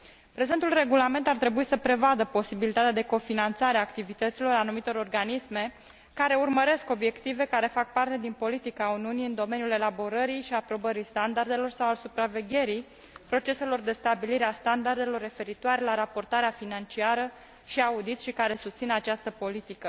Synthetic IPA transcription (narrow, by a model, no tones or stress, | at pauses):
pɾe̞zent̪ulre̞ɡulame̞nt̪art̪ɾe̞buisəpɾe̞vad̪əpo̞sibilit̪at̪ead̪eko̞finant̪saɾeaːkt̪ivit̪ət̪silo̞ɾanumit̪o̞ɾo̞rɡanisme̞ | kaɾe̞urməɾe̞sko̞bje̞kt̪ive̞kaɾe̞fak̚part̪e̞d̪inpo̞lit̪ikauniuniɨnd̪o̞me̞njule̞labo̞ɾəɾijʃiapɾo̞bəɾist̪and̪ard̪e̞lo̞rsawalsupɾave̞ɡʲe̞ɾij | pɾo̞t͡ʃe̞se̞lo̞rd̪e̞st̪abiliɾeast̪and̪ard̪e̞lo̞rːe̞fe̞ɾit̪oaɾe̞laɾapo̞rt̪aɾeafinant͡ʃiaɾə | ʃiaud̪it̪sʃikaɾe̞sust̪sinat͡ʃast̪əpo̞lit̪ikə